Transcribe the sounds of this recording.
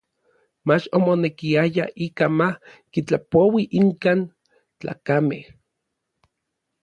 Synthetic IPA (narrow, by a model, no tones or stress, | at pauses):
mat͡ʃomonekiajaʔiːkamahkit͡ɬapowiʔiŋkaːn | t͡ɬa̰ːkameh